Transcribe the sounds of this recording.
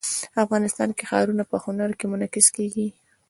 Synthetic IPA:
afɣɑnɪst̪ɑ̰nkexɑ̰ɾunapəxʊnaɾkemʊnakɪskeɡi

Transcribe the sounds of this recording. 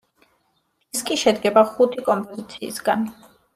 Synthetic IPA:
ɛskʼiʃɛd̪ɡɛbaχut̪ʰikʼɔmpʼɔzit̪sʰḭːsɡan

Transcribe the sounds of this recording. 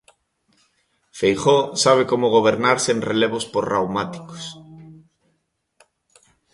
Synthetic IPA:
fejχosaβ̞ekomʊɣ̞oβ̞eɾnaɾsenreleβ̞ʊspoɾrawmat̪i̥ko̥s

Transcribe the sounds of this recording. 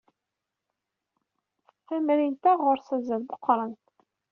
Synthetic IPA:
θæmɾint̪æʁʊɾsæzːæðbəqːɾˤənt̪

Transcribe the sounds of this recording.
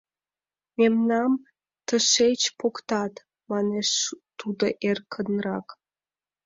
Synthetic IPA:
memnɑm | t̪əʃet͡ɕpokt̪ɑt̪ | mɑneʃt̪ud̪oʔerkʰənrɑk

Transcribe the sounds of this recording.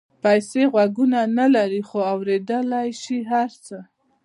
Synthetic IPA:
pajseɣwaɡunanalaɾixoawɾed̪əlajʃiɦaɾt͡sə

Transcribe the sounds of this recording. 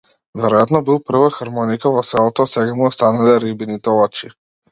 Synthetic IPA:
vɛɾɔjat̪nɔbilˠpr̩vaxaɾmɔnikavɔsɛlˠɔt̪ɔsɛɡamuɔst̪analɛɾibinit̪ɔlɔt͡ʃi

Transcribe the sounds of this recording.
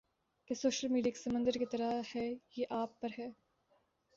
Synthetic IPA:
kesoːʃəlmiːɖiake̥sɐmə̃nd̪əɾket̪ɐɾahɛːjeʔaːpːɐɾɦɛː

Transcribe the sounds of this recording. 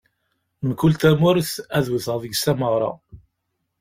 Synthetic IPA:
məkult̪æmʊɾθæðwəθʁvəɡsæməʁɾˤɑ̰

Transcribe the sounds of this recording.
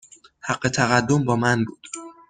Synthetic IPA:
hæɢːe̞t̪ʰæɣæd̪ːombɒːmænbuːd̪̥

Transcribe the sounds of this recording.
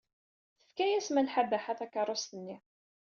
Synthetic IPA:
θə̥fkæjæsmælħabæħaθækːəɾˤːost̪ənːi

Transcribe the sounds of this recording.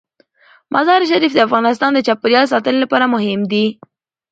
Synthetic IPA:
mʔazɑɾʃ̬aɾifd̪əafɣɑnɪs̬t̪ɑnd̪ət͡ʃɑpəɾjɑls̬ɑt̪əlelapɑɾamʊɦɪmd̪i

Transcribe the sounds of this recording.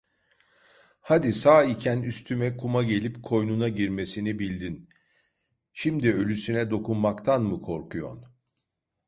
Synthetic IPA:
had̪isaːicʰænyst̪ʰymɛkʰumaɟe̞lʲipkʰo̞jnunaɟiɾme̞sinibilʲd̪in | ʃimd̪iø̞lʲysynɛd̪o̞kunmakt̪ʰanmukʰo̞ɾkʰujo̰n

